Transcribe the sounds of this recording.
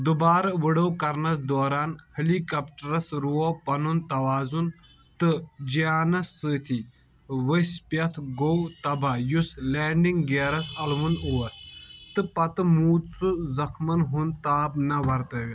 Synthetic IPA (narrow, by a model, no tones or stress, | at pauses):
d̪ubaːɾɐʋɨɽowkɐɾnɐsd̪oːɾaːnhɐlikɐpʈɐɾɐsɾuopɐnunt̪ɐʋaːzun | t̪ɨd͡ʒijaːnɐsːɨt̪ʰi | ʋəspjɐt̪ʰɡowt̪ɐbajusleːɳɖiŋɡɡeːɾɐsɐlʋunuʋɐst̪ɨpɐt̪ɨmuːt̪t͡sɨzɐxʰmɐnɦunt̪aːbnɐʋɐɾt̪ɐʋʲi